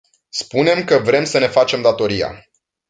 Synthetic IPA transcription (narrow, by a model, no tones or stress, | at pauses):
spune̞mkəvɾe̞msəne̞fat͡ʃe̞md̪at̪o̞ɾija̰